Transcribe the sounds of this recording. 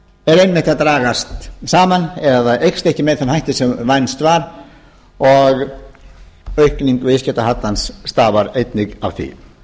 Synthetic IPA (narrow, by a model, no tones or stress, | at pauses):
ɛɾejnmɛht̪ɪaðt̪ɾaːɣast̪saːmanɛðaʔejkst̪ɛhcɪmɛðθanmhajht̪ɪsɛmvajnst̪vaɾ | ɔɣ | œɥhkniŋkvɪscɛt̪aɦat̪lansːt̪aːvaɾejt̪nɪɣa̰vθḭ